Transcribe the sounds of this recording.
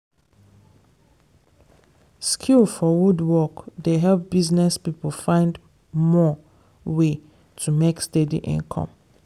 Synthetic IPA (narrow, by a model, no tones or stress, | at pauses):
skʰulfɔwudwɔkdeɦɛlp̚b̥iznɛspipəl̩fãɪ̃nd | mɔ | we | tʰumekstedḭʔḭ̃nkʰɔ̰̃m